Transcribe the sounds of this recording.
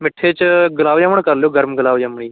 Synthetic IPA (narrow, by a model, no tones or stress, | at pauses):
mɪʈʰːeːt͡ʃɡəlaːʋjaʋəɳkəɾlejoːɡəɾmɡəlaːʋjəmɳ̃iː